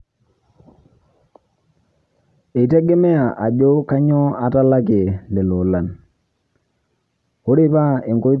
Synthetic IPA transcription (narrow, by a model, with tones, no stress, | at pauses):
e˨tɛ˦ɡɛ˦mɛ˦a˨ʔa˨ɟo˦ka˦ɲɔ˦a˨ta˦la˦ki˨le˨lo˨la˨n | o˦ɾe˦pa˦e˨ŋɡo˦